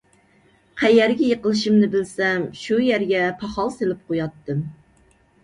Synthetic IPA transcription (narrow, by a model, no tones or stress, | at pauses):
qʰæjæɾɡʲɛjəqəlˠɨʃimnɪbɪlsɛmʃujæɾɡʲɛpʰɑχɑlˠselɪp̚qʰojɑt̪ːɨm